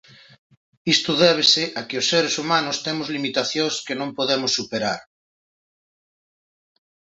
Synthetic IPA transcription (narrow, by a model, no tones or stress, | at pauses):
ist̪ʊðeβ̞eseʔakeosːeɾesumanost̪emozlimit̪aθjõskenõmpoðemosːupeɾa̰ɾ